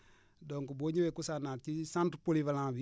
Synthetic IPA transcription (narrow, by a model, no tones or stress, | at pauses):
doŋkuboɲiwekusanat͡ʃisãntupolivalãvi